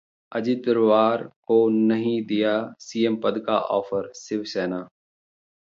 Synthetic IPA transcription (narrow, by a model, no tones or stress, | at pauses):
əd͡ʒɪt̪əɾʋaːɾkoːnəɦĩːd̪ɪjaːsiːempəd̪ka̰ːʔɔːfʰəɾsɪʋseːnaː